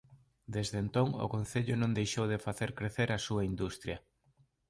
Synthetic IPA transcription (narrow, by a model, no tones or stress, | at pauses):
d̪ezðent̪oŋʊ̰kon̟θeʎʊnõŋd̪ejʃowðefaθeɾkɾeθeɾʔɐsuɐind̪ust̪ɾjɐ